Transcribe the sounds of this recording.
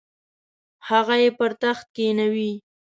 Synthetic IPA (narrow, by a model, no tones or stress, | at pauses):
haɣajepəɾt̪axt̪̚kenawi